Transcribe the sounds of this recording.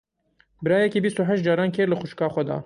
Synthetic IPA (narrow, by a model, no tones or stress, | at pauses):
bɨɾɑːjɛkiːbist̪uɦɛʃt̪̚d͡ʒɑːɾɑːnkʰeːɾlɨxʊʃkɑːxʷɛd̪ɑ̰ː